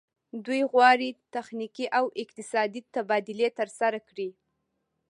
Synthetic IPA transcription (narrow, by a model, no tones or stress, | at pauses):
d̪ujɣwɑɽit̪axnikiʔawʔɪq̚t̪ɪsɑd̪it̪abɑd̪ɪlet̪əɾsaɾakɽi